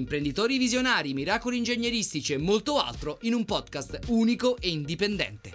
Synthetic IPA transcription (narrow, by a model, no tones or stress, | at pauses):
impɾend̪it̪oːɾivizjonaːɾimiɾaːkolind͡ʒeɲːeɾist̪it͡ʃiemːolt̪oa̰lt̪ɾoinumpɔd̪kast̪uːnikoʔeind̪ipend̪ɛ̰nt̪e